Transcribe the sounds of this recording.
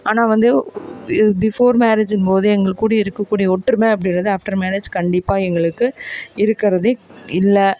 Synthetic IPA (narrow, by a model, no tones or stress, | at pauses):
aːnaːʋɐnd̪ɯɪbɪfoːɾmaːɾed͡ʒɪnpoːðɯɛŋɡɐɭkːuːɽɐɪɾɯkːɐkːuːɽijɐɔʈːɾɯmẽːɐp̬ːɐɽɪnrɐðɯaːfʈɐɾmaːɾeːd͡ʒkɐɳɖɪpːaːɛŋɡɐɭɯkːɯɪɾɯkːɪɾɐðeːɪlːɐ